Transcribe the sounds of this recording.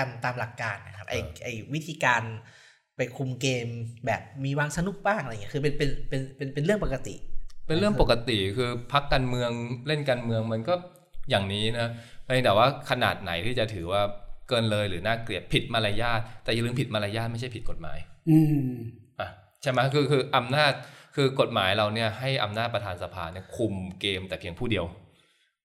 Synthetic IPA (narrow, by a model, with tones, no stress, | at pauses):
a˧mt̪aː˧mla˨˩kːaː˧nːa˦˩kʰa˦˥p̚ʔa˧˩ʔa˧˩jwi˦˥t̪ʰiː˧kaː˧n | pa˧jkʰu˧mkeː˧mbɛ̰ː˨˩p̚miː˧waː˧ŋsa˧nu˧˥˩k̚baː˥˩ŋʔa˧˨ŋi˦˥˧kʰɯː˧p̬e˧npe˧npe˧npe˧npe˧nlɯ˥˩əŋpo˨˩kːa˧t̪ḭ˨˩pe˧n˦ɾɯ˥˩əŋpo˨˩ka˧t̪i˨˩kʰɯː˧pʰa˦˥kːaː˧nmɯ˧əŋle˥˩nkaː˧nmɯ˧əŋma˧nkɔː˥˩ | jaː˨˩ŋniː˦˥na˦˥pa˧bɛː˨˩waː˥˩kʰa˧na̰ː˨˩t̪̚na˩˦jt̪ʰiː˥˩t͡ɕa˨˩t̪ʰɯː˩˦waː˥˩kɤː˧nlɤː˧jɾɯː˩˦naː˥˩kli˨˩əp̚pʰi˨˩t̪̚ma˧laː˧jaː˥˩t̪̚ːɛː˨˩ja˨lɯː˧mpʰi˨˩t̪̚ma˧laː˧jaː˥˩ma˥˩jt͡ɕʰa˥˩jpʰi˨˩t̪̚ko˨˩t̪̚ma̰ː˩˦jɯː˧ | ʔa˧˩ | t͡ɕʰa˥˩jma˦˥kʰɯː˧kʰɯː˧ʔa˧mnaː˥˩t̪̚kʰɯː˧ko˨˩t̪̚ma̰ː˩˦jɾa˧wni˥˩ɐha˥˩jʔa˧mnaː˥˩t̪̚pɾa˧t̪ʰaː˧nsa˧pʰa̰ː˧ni˥˩ɐkʰu˧mkeː˧mt̪ɛː˨˩kʰe˧ŋpʰuː˥˩di˧əw